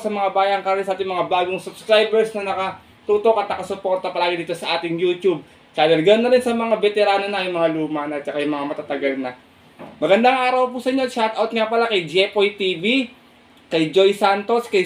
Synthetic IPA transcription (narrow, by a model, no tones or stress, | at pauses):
sɐmɐŋabaːjaɐŋkɐɾalɪsɐaːt̪ɪŋmɐŋabaːɡoŋsʊbskɾajbɛɹsnɐnɐkɐ | t̪uːt̪o̞kɐt̪nɐkɐsʊpo̞ɾt̪ɐpɐlaːɡɪd̪iːt̪osɐʔaːt̪ɪŋjuːt̪jub̚ | t͡ʃad̪ɐlɡɐnonːɐɾɪnsɐmɐŋabɛt̪ɛɾaːno̞nɐjʊŋmɐŋaluːmɐnɐt͡ʃakajʊŋmɐŋamɐt̪at̪ɐɡɐlnɐ | mɐɡɐnd̪aŋʔaːɾɐwpusɐɲːoʃat̪ɐwt̪̚ŋapɐlakɐjd͡ʒɛpojt̪iːbi | kɐjd͡ʒo̞jsant̪o̞skɐj